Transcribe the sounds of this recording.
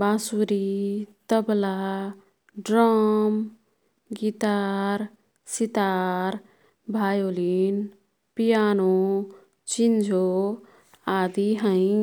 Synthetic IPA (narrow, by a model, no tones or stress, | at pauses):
basuɾit̪əbla | ɖɾɔm | ɡit̪aɾ | sit̪aɾ | bʱajoːlin | pijano | t͡ʃind͡ʒʱo | ad̪iɦə̃ĩ